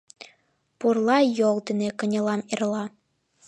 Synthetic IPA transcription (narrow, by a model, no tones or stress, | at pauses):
purlˠɑjolˠt̪ɘ̆nekɤ̆nʲɤ̆lˠɑmerlˠɑ